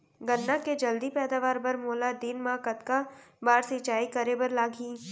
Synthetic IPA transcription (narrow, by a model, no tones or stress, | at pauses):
ɡɐnːaked͡ʒɐld̪ipɛːd̪aːʋaːɾbɐɾmoːlad̪inmãkɐt̪kabaːɾsit͡ʃaːikɐɾebɐɾlaːɡʱiː